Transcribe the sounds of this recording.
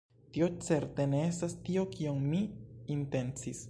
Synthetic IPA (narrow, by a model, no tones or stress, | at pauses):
tio̞t͡se̞ɾte̞ne̞estastio̞kʰioŋmiinte̞nt͡sis